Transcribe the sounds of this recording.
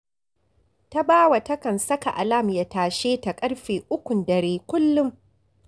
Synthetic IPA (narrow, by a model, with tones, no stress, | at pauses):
ta˦baː˦wa˨tɐ˦kɐ˨nsɐ˦ka˨ʔa˨la˦˨mja˨taː˨ʃeː˦ta˨kʼɐ˦ɽɸeː˨ʔʊ˦kʷʊ˨ndɐ˨ɾeː˦kʷʊ˦lːʊ˦m